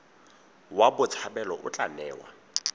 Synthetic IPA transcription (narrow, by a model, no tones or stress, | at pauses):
wabʊt͡sʰabɛlɔʔʊt͡ɬʼanɛːwa̰